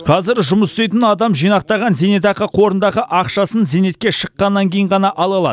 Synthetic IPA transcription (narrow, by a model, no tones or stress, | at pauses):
qʰɑzɪɾʒʊməst̪ejt̪ɪnɑd̪ɑmʒijnɑq̚t̪ɑʁɑnzenet̪ɑqəqʰo̞ɾənd̪ɑʁəʔɑqʃɑsənzene̞t̪̚kʲe̞ʃəqːɑnːɑŋkʲʰejəɴʁɑnɑʔɑlˠɑlˠɑ̰d̪